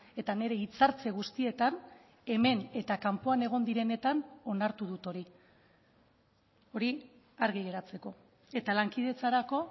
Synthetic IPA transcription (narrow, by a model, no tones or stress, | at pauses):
e̞t̪ane̞ɾe̞it͡saɾt͡se̞ɣust̪ie̞t̪an | e̞me̞ne̞t̪akampo̞ane̞ɣ̞o̞nd̪iɾe̞ne̞t̪ano̞naɾt̪uð̞ut̪o̞ɾi | o̞ɾi | aɾɣ̞iɣe̞ɾat͡se̞ko̞ | e̞t̪alaŋkiðe̞t͡saɾako̞